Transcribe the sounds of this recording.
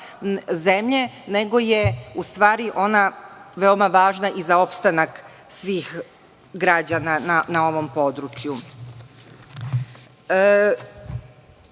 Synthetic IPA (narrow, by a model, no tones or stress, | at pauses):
ze̞mʎene̞ɡo̞je̞ust̪ʋaːɾiʔo̞naʋe̞omaʋaːʒnaʔizao̞pst̪anak | sʋiːx | ɡɾad͡ʑanananao̞ʋo̞mpo̞d̪ɾut͡ʃju